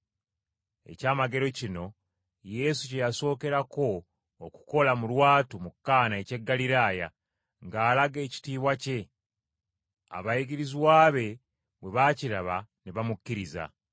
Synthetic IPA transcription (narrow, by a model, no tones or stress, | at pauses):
e̞̰caːmaɡe̞ɾo̞cino̞ | je̞suce̞jaso̞ːke̞ɾako̞ː | ku̥ko̞lamulwaːtumukːaːnae̞ce̞ɡːaliɾaːja̰ | ŋɡaːlaɡe̞ːci̥tiːβwace̞ | a̰βajiɡiɾiziwaːβe̞ | bwe̞βaːciɾaβaneβamukːiɾiza̰